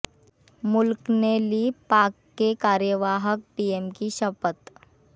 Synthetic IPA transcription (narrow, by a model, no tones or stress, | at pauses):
mulkneliːpakːekaɾjəʋaɦək̚piemkiɕəpət̪